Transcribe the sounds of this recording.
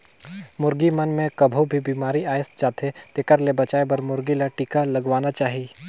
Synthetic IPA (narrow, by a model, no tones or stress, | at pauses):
mʊɾɡimɐnmẽkɐbʱobʱibiːmaːɾiaːjɪst̪d͡ʒaːt̪et̪eːkəɾlebɐt͡ʃaːebɐɾmʊɾɡilaʈiːkalɐɡʋaːnat͡ʃaːɦi